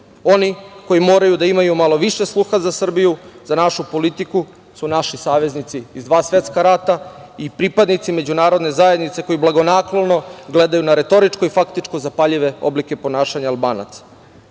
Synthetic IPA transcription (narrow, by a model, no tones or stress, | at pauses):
o̞niko̞jimo̞ːɾajud̪aimajumalˠo̞ʋiʃe̞slˠuxazasr̩bijuzanaʃupo̞lit̪iku | sunaʃisaːʋe̞znit̪siːzd̪ʋaːsʋe̞t̪skaɾat̪aipɾipad̪nit̪sime̞d͡ʑunaːɾo̞d̪ne̞zajed̪nit̪se̞ko̞jiblaɡo̞naklono̞ɡle̞d̪ajunaɾe̞t̪o̞ɾit͡ʃkoifakt̪it͡ʃko̞zapaʎiʋe̞o̰blike̞po̞naːʃaɲaːlˠbaːna̰t̪sḁ